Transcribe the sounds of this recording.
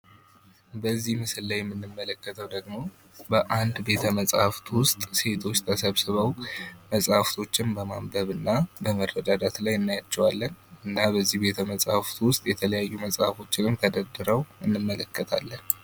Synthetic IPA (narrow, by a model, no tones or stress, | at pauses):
bəzːihmɨsɨllajɛmːɨnːɨmːələkːət̪ʰəwd̪əɡmo̞ | bəʔand̪be̞t̪ʰəməsʼhaft̪wʊst̪ʼse̞t̪ʰo̞t͡ʃːt̪ʰəsəβsɨβəwməsʼhaft̪ʰo̞t͡ʃːɪnbəmamb̪əβɨnːabəmərːəd̪ad̪at̪lajɨnːajat͡ʃːɛwalːənɨnːabəzːihbe̞t̪ʰəməsʼhft̪wʊst̪ʼjɛt̪ʰələjajːuməsʼhafo̞t͡ʃːɪnɨmt̪ʰəd̪əd̪ɨɾəwʔɨnːɨmːələkːət̪ʰa̰lːən